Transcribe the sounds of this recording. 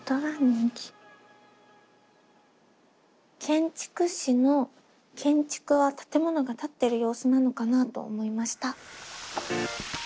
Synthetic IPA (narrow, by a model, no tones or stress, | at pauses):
t̪oβaɲĩŋkʲi̥ | kʰẽ̞ɲ̟t͡ɕi̥kɯ̟ɕino̞ | kʰẽ̞ɲ̟t͡ɕi̥kɯ̟βat̪ḁt̪e̞mo̞no̞ɡat̪at̪ːe̞ɾɯ̟jo̞ːsɨnano̞kanat̪o̞̰ːmo̞imaɕi̥t̪a